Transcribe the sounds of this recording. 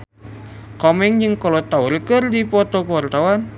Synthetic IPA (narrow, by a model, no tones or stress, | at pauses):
kɔmɛŋd͡ʒəŋkɔlot̪auɾəkərdipɔt̪ɔkəwart̪awan